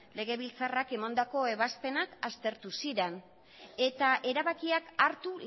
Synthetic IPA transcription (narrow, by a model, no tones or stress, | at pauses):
le̞ɣe̞βilt͡sarake̞mand̪ako̞e̞βaspe̞nakast̪e̞ɾt̪usiɾen | e̞t̪aʔe̞ɾaβakiakaɾt̪u